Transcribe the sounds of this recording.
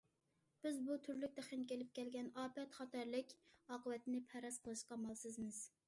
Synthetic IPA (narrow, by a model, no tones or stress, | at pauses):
b̥ɪzbut̪ʰyɾlyk̚ʲt̪æχenkʲelɪp̚kʲɛlɡʲɛnɑːpɛt̪χɑt̪ɑɾlɪkʲɑːqəwɛt̪ɪnɪpʰɛɾɑsqʰəlˠɨʃqɑmɑlˠsɨzmɨz̥